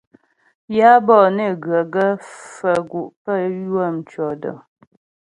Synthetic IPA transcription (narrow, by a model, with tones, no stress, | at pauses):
ja˦bɔ˦˨ne˦˨ɡɰə˨ɡə˦fə˨ɡu˨ʔpə˦˨jwə˦˨m̩˨t͡ʃɔ˨də̰˨